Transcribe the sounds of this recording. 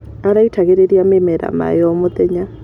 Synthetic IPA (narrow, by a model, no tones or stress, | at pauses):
aɾaitʰakɛɾeɾiamɛmɛɾa̰ma̰jɔmʊt̪ɛɲa